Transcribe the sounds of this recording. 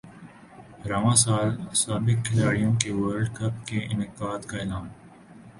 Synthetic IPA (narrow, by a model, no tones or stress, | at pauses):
ɾaːʋãːsaːlsaːbɪkkʰɪlaːɽijõkeʋəːɾɖkɐpkeɪ̰nɪqaːd̪kaɪlaːn